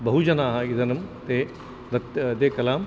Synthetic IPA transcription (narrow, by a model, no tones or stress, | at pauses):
bɐɦud͡ʒɐnaːɦɐid̪ɐnɐmt̪e | d̪ɐt̪d̪ekɐlaːm